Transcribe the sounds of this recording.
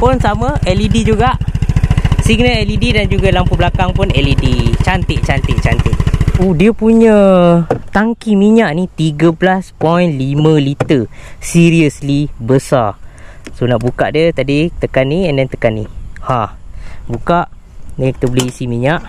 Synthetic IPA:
pʊnsaməɛlidid͡ʒuɡaʔ | siɡnəɛlididand͡ʒuɡalampublakaŋpʊnɛlidit͡ʃant̪ɪʔ̚t͡ʃant̪ɪʔt͡ʃant̪ɪʔudiəpuɲə̃ | t̪aŋkimiɲaʔnit̪iɡəblaspɔjnlimə̃lit̪əsiɾiəslibəsa | sonaʔbukaʔdiət̪adit̪əkanːiɛndɛnt̪əkanːihabukaʔ | nki̥t̪əboliisimiɲaʔ

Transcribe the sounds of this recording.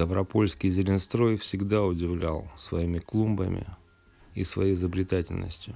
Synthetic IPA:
t̪əvɾɐpo̞lʲskʲɪjzʲɪlʲɪnst̪ɾo̞jfsʲɪɡd̪aʊdʲɪvlʲa̰lˠsvɐimʲɪklˠumbə̰mʲɪ̰ | ḭsvɐ̰jejzəbɾʲɪt̪atʲɪlʲnə̰sʲtʲjʊ

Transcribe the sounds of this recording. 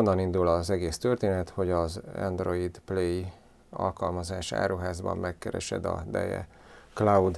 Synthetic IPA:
onːɒnind̪ulɒzɛɡeːst̪ørt̪eːnɛt̪ho̞ɟɒzɛ̰nd̪roid̪pleːji | ɒ̰lkɒlmɒzaːʃa̰ːɾuɦaːzbɒ̰mːɛkːɛɾɛ̰ʃɛd̪ɒ̰d̪ɛjɛ̰ | klaud̪

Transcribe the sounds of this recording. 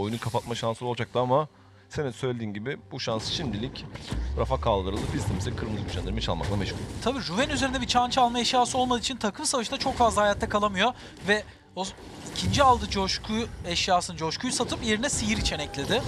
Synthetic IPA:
ojunukʰapʰat̪̚maʃansɯlˠolˠd͡ʒak̚t̪ɯama | se̞nisø̞jlʲed̪iːnɟibɪbuʃansɯ̥ʃimd̪ilʲicɾafakʰalˠd̪ɯɾɯlˠdɯfizst̪ʰimisɛkʰɯɾɯmd̪ɯyʃʰand̪iɾmɛt͡ʃʰa̰lˠma̰klˠamɛʃkuɾʲt̪ʰabiːɾuvɛnyzeɾind̪ɛbit͡ʃʰant͡ʃʰalˠmaɛʃjaːsɯo̞lˠmad̪ɯit͡ʃʰint̪ʰakʰɯmsavaʃɯnat͡ʃʰo̞kfazlˠahajaːt̪ʰːakʰalˠamɯjo̞ | vɛ | o | icʰind͡ʒialˠd̪ɯd͡ʒoʃkʰuɛʃjaːsɯnɯd͡ʒo̞ʃkʰujsat̪ʰɯpje̞ɾinɛsijiɾit͡ʃʰenɛclʲe̞d̪ɪ

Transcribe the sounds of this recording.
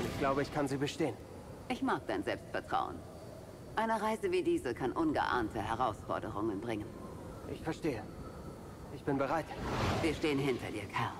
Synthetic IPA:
ɪçɡ̥laʊbəɪçkʰanziːbəʃteːən | ʔɪçmaːk̚d̥aɪnzɛlpstfɛɐtʁ̥a̰ʊə̰n | ʔaɪnəʁaɪzəviːdiːzəkʰanʔʊnɡə̰ʔa̰ɐntʰəhɛʁ̞aʊsfɔ̰ɐdəʁ̞ʊŋənbʁɪŋən | ʔɪçfɛɐʃteːə | ʔɪçb̥ɪnbəʁaɪtviːɐʃteːənɦɪntʰɐdiːɐkʰɛɐl

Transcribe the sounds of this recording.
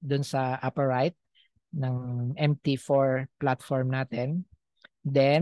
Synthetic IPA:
d̪ʊnsɐʔapɐɹajt̪̚ | nɐŋʔɛmt̪ifoɹplat̪fɔɹmnaːt̪ɛn | d̪ɛ

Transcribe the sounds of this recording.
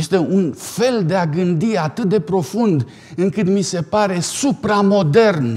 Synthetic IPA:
st̪e̞unfe̞ld̪e̞aɡɨnd̪iat̪ɨt̪̚d̪e̞pɾo̞fund̪ | ɨŋkɨt̪mise̞paɾe̞supɾamo̞d̪e̞rn

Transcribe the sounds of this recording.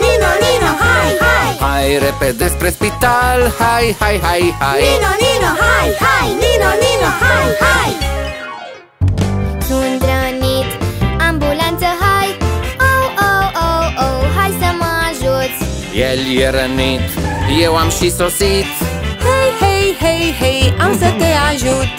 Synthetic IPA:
ajajhajɾeped̪espɾespit̪alhajhajɦajhaj | ajanajaj | nund̪ɾənit̪ambulãnt͡səɦajawowowowɦajsəmazut͡s | jeljeɾənit̪jewamʃisosit̪hejhejɦejɦejamsət̪eaʒut̪

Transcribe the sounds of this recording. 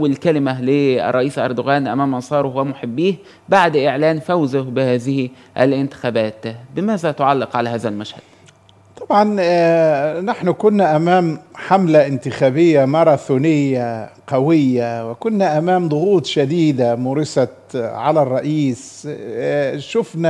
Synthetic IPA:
wːɪlkælɪmælɪɑ̰rˤːɑʔiːsʔɑɾˤd̪ʊɣæːnʔæ̰mæːmʔɑnsˤɑːɾˤohwæmʊħɪbːiːh | baʕd̪ʔɪʕlæːnfæwzʊhbɪhæːðɪh | ʔæ̰lʔɪnt̪ɪ̥xæːbæːt̪bɪmæːzæt̪ʊʕɑlːɪqʕalæːɦæːðælmæʃhæ̰d̪̥ | t̪ˤɑbʕɑn | naħnʊkʊnːæʔæmæːmħamlaʔɪnt̪ɪxæːbɪjːamɑɾˤɑθuːnɪjːaqɑwɪjːawɪkʊnːæʔæmæːmd̪ˤʊɣuːt̪ˤʃad̪iːd̪amʊɾɪsɑ | ʕalærˤːɑʔiːs | ʃʊfnæ

